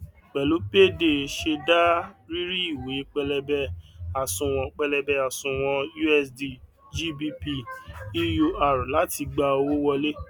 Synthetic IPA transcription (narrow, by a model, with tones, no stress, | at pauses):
k͡pɛ˨lu˨˦pe˦˨de˦˨ʃe˧da˦ɾi˦ɾi˦i˦˨we˨˦k͡pɛ˧lɛ˧bɛ˧a˨sũ˧w̃ɔ̃˧k͡pɛ˧lɛ˧bɛ˧a˨sũ˧w̃ɔ̃˧ju˦ɛ˧˦sdi˧ | d͡ʒi˦bi˦˧pi˧i˦jo˧a˨ɾu˨la˨˦ti˧ɡ͡ba˧o˧wo˦wɔ˧le˦